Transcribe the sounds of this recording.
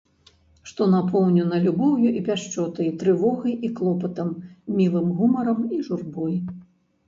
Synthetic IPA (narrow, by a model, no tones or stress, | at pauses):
ʂt̪ɔnapɔwnʲunɐlʲubɔwjuʔipʲaʂt͡ʂɔt̪ɐjt̪ɾɨvɔɣɐjʔiklˠɔpɐt̪ɐmmʲilˠɨmɣumɐɾɐmiʐurbɔj